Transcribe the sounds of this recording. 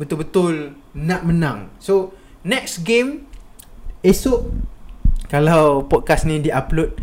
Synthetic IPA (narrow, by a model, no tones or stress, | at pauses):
bət̪ʊlbət̪ʊl | naʔmənãŋso | nɛk̚sɡem | esʊʔ | kalawpɔt̚kasnĩdiʔaplʊt̚